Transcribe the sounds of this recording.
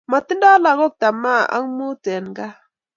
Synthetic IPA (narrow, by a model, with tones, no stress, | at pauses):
ma˨ti˦nda˦la˨ɣo˦˨k̚ta˨ma˦ʔa̰˦ŋ˦mu˦te˨nɡa˦